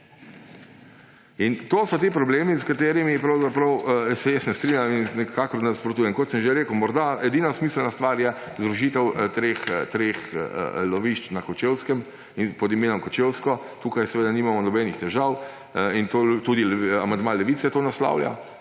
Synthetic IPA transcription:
int̪oːsɔt̪ipɾɔbleːmiskat̪eːɾimipɾɐwzapɾɐwsɛjɛst̪nɛst̪ɾinjaminnɛkaːkɔɾnɛspɾɔt̪uːjɛmkɔt̪səmʒeɾeːkəwmɔɾd̪aɛd̪inasmiːsəlnast̪ʋaːɾjɛ | zd̪ɾuʒit̪ɛwt̪ɾext̪ɾexlɔʋiʃt͡ʃnakɔt͡ʃewskɛm | inpɔd̪imeːnɔmkɔt͡ʃewskɔ | t̪uːkajsɛʋeːd̪animamɔnɔbɛnixt̪ɛʒaw | int̪ot̪uːd̪ilamand̪malɛʋit̪sɛt̪oːnasla̰wlja̰

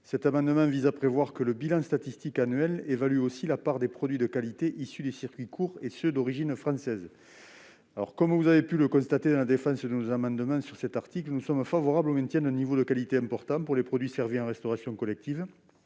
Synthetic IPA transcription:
sɛt̪amɑ̃d̪əmɑ̃vizapχevwaʁkələbilɑ̃st̪at̪ist̪ikanyɥɛlevalyosilapaʁd̪epχɔd̪ɥid̪əkalit̪eʔisyd̪esiʁkʲɥikʰuʁesød̪ɔʁiʒinfχɑ̃sɛz | alɔ̰ʁkɔmvuzavepyləkɔ̃st̪at̪ed̪ɑ̃lad̪efɑ̃sd̪ənozamɑ̃d̪əmɑ̃syʁsɛt̪aʁt̪iklənusɔmfavɔʁablomɛ̃nt̪jɛ̃nd̪ɛ̃nivod̪əkalit̪eɛ̃mpɔʁt̪ɑ̃puʁlepχɔd̪ɥisɛʁviɑ̃ʁɛst̪ɔʁasjɔ̃kɔlɛk̚t̪iv

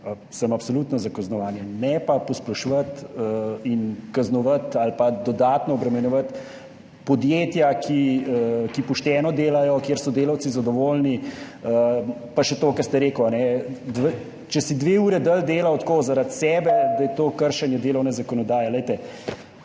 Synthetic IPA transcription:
səmapsolut̪nɔzakɐznɔʋaːnjɛnɛpapɔsplɔʃʋət̪əinkaznɔʋət̪alpad̪ɔd̪aːt̪nɔːbɾɛmɛnjɔʋət̪ | pɔd̪jeːt̪jakʰiəkipɔʃt̪ɛːnɔd̪eːlajɔkjeːɾsɔd̪eːlawtsizɐd̪ɔʋoːlni | əpaʃɛt̪oːkɐɾst̪ɛɾeːkɔanɛd̪ʋ | t͡ʃɛsid̪ʋeuːɾɛd̪əld̪eːlawt̪koːzaɾat̪sɛːbɛd̪ajɛt̪oːkəɾʃɛnjɛd̪eːlɐwnɛzakɔnɔd̪aːjɛləjt̪ɛ

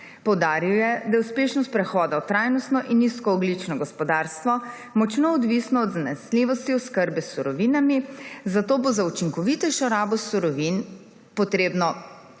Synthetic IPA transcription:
pɔwd̪aːɾiwjɛd̪ajɛuspeːʃnɔst̪̚pɾɛxɔːd̪aɔt̪ɾajnɔst̪nɔʔinːiskɔːblit͡ʃnɔɡɔspɔd̪aɾst̪ʋɔ | mɔt͡ʃnoːd̪ʋisnɔːd̪zanɛsliːʋɔst̪iɔskəɾbɛsːuɾɔʋiːnamizat̪oːbozaut͡ʃiŋkɔʋit̪ɛʃɔɾaːbɔsːuɾɔʋin | pɔt̪ɾeːbnɔ

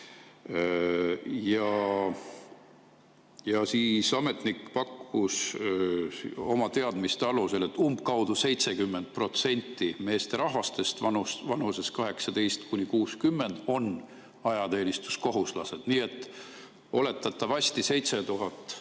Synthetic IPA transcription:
jɑ | jɑsiːsɑme̞t̪nikpɑkːus | o̞mɑt̪e̞ɑd̪̥mist̪eɑluse̞le̞t̪ːumb̚kɑwd̪̥use̞jt̪se̞kymːe̞nd̪̥̚pro̞t̪se̞nʲt̪ːime̞ːst̪e̞ɾɑɦvɑst̪e̞st̪vɑnusvɑnuse̞skɑɦe̞ksɑd̪e̞jst̪kunʲikuːskymːe̞nd̪̥o̞n | ɑjɑt̪e̞ːnʲist̪u̥sko̞ɦuslɑse̞d̪̥niːe̞t̪ːˑ | o̞le̞t̪ːˑɑt̪ːˑɑvɑsʲt̪ise̞jt̪se̞t̪uɦɑt̪ːˑ

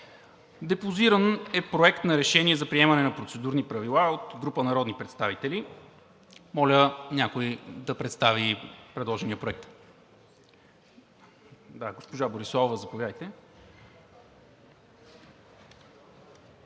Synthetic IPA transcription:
d̪ɛpoziɾənɛpɾoɛkt̪nɐɾɛʃɛniɛzɐpɾiɛmɐnɛnɐpɾot̪sɛd̪uɾnipɾɐvilˠaot̪ɡɾupənɐɾɔd̪nipɾɛt̪st̪avit̪ɛli | mɔlʲənʲjakojd̪ɐpɾɛt̪st̪avipɾɛd̪lˠɔʒɛniəpɾoɛk̚t̪ | d̪aɡospoʒaboɾisˠɔvəzɐpovjad̪əjt̪ɛ

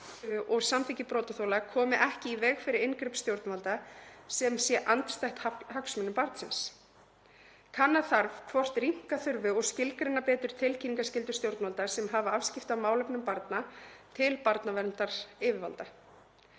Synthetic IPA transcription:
ʔɔɣsamθicɪpɾɔːt̪aθowlakʰɔːmɪʔɛhcɪivɛːɣfɪɾɪɾɪnkɾʏpst̪jowɾt̪nvalt̪asɛmsjɛʔant̪st̪ajht̪haɦaksmɛnʏmpaɾt̪sɪns | kʰanːaθaɾvkʰvɔr̥t̪ɾiŋ̥kaθʏɾvʏɔɣscɪlkɾɪnːapɛːt̪ʏɾ̥t̪ʰɪlcʰiniŋkascɪlt̪ʏ̥st̪jowɾt̪nvalt̪asɛmɦavaav̥scɪft̪avmaːwlɛpnʏmpaɾt̪nat̪ʰɪlpaɾt̪navɛɾnt̪aɾ̥ɪːvɪɾva̰lt̪a

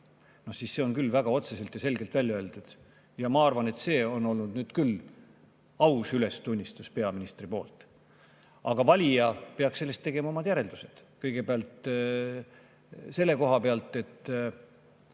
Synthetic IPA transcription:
no̞hsiːsse̞o̞nkylːvæɡ̥ɑo̞t̪se̞se̞lt̪jɑse̞lɡe̞lt̪vælʲjɑøːlt̪ud̪̥ | jɑmɑɑrvɑne̞t̪se̞ːo̞no̞lnud̪nyːd̪̥kyl | ɑwsyle̞st̪unʲːist̪uspe̞ɑminist̪ripo̞ːlt̪ˑ | ɑɡ̥ɑvɑlʲijɑpeɑksse̞lːe̞st̪ːe̞ɡ̥e̞mɑo̞mɑd̪jæɾe̞ld̪use̞d̪̥kɤjɡ̥e̞beɑlt̪ˑ | se̞lːe̞ko̞ɦɑpeɑlt̪ˑe̞t̪ːˑ

